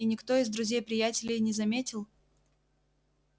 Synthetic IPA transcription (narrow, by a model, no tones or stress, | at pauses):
inʲɪkt̪o̞ɪzd̪ɾʊzʲejpɾʲɪjætʲɪlʲɪjnʲɪzɐmʲetʲɪlˠ